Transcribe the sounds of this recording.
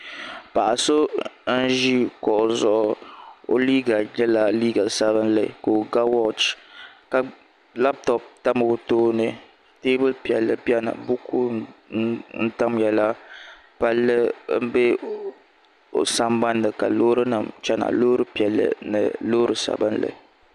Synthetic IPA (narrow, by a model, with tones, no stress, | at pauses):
pa˨ʔa˨so˦n̩˦ʒi˦kɔ˨ʔzɔ˦ʔʊ˨o̰˦liː˦ɡa˨ɲɛ˦la˨liː˦ɡa˨sa˦bɨ˦nlɨ˨ko˨ɡa˦wɔ˦t͡ʃka˨ | la˦p̚tɔ˨p̚ta˦mɨ˨toː˦nɨ˦ | te˦bɨ˦lpi˨ɛ˨lːɨ̰˨pi˦ɛ˦nɨ̰˨bu˦ku˦ | n̩˦ta˦mjɛ˨la˦ | pa˦lːɨ˦m̩˦bɛ˦ | o̰˨sa˦mba˦nːɨ˨ka̰˨loː˦ɾɨ˦nɨ˨mt͡ʃɛ˦na̰˨lo˦ɾɨ˦pi˨ɛ˨lːɨ̰˨nɨ̰˨loː˦ɾɨ˨sa̰˨bɨ˦n˦lɨ̰˨